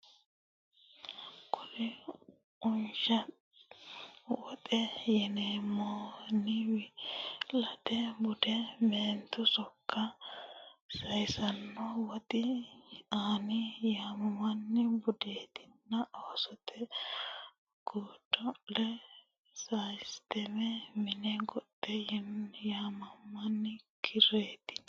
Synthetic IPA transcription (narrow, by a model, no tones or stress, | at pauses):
kʰʼʊlɪ | ʊnʃɐ | wɔt̪ʼɛjɛnemɔnɪwɪlɐt̪ɛbʊd̪ɛmeːnt̪ʊsɔkːɐ | sɐjsɐnːɔwɔt̪ʼɪ | aːnɪjamɐmɐnːɪbʊd̪eːt̪ɪ̥nːɐʔoːsɔt̪ʰɛ | ɡ̥uːdɔlɛ | sajst̪ɛmɛmɪnɛɡɔdːɛjɛnjaːmɐmːɐnːɪkʰɪɾeːt̪ɪ̥n